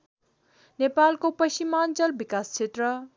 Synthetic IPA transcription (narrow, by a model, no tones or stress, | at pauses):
nepalkopʌɕimant͡sʌlbikast͡sʰet̪rʌ